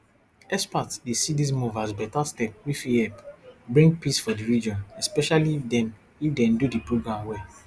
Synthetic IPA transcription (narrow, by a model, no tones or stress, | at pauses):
ɛspatdesidis̬muvasbɛtastɛp̚wifiɛpbɹĩŋɡ̚pisfɔdiɹid͡ʒɔ̃nɛspɛʃalidɛ̃n | ifdɛ̃ndudipɹoɡɹãmwɛ